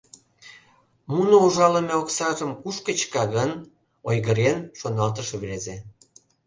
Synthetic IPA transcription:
munouʒɑləmʲeoksɑʒəmkuʃkət͡ɕkɑɣən | ojɣəɾenʃonɑlt̪əʃeβɾeze

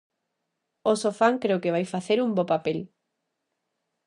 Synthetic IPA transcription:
osofaŋkɾeokeβajfaθeɾumbopapel

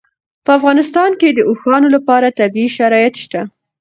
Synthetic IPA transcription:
pəafɣɑnɪst̪ɑnked̪əʔoxɑnolapɑɾat̪abiiʃaɾɑjat̪ʃt̪a

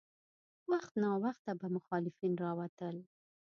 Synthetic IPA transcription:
waxt̪nɑwaxt̪ːabamʊxɑlɪfinɾɑwat̪əl

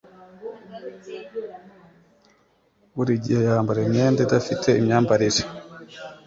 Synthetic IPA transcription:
wuɾiɟiajaːmbaɾemɲeːndedafitʰeimɲaːmbaɾiʒe

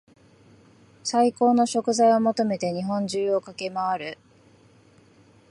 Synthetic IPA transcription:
saiko̞ːno̞ɕo̞kɯ̟zaio̞mo̞t̪o̞me̞t̪e̞ɲ̟iɦõ̞ɲ̟d͡ʑɨːo̞kake̞maβaɾɯ̟

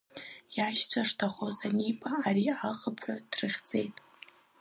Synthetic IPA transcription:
jaʃt͡sʷʰaʂtʰaχozanipʼaːɾiaχəpʰħadrɨχʲd͡zʼe̞jtʼ

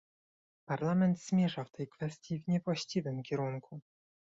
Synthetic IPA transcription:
paɾlamɛnt̪zmʲjɛʐaft̪ʰɛjkfɛst̪ʲjivɲɛvwaɕt͡ɕivɘmkʲɛɾuŋkʰu

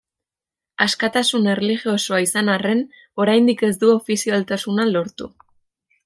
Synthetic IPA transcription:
askat̪asune̞relixio̞so̞aisanare̞n | o̞ɾajnd̪ike̞z̬d̪uo̞fisialt̪asunalo̞ɾt̪ṵ

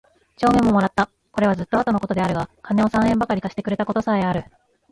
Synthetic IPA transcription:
t͡ɕo̞ːmemːo̞mo̞ɾat̪ːa | ko̞ɾe̞βazɨt̪ːo̞at̪o̞noko̞t̪od̪e̞aɾɯ̟ɡakane̞o̞sãɰ̃ẽ̞mbakaɾʲikaɕi̥t̪e̞kɯ̟ɾe̞t̪ako̞t̪o̞saeaɾɯ̟

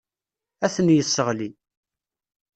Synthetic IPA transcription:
æθənjəsːəʁli

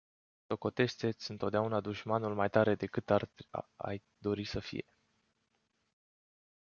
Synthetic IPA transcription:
so̞ko̞t̪e̞ʃt̪e̞t̪sʲɨnt̪ot̪d̪eaunad̪uʃmanulmajt̪aɾe̞d̪e̞kɨt̪ara̰j | d̪o̞ɾisəfḭje̞̰

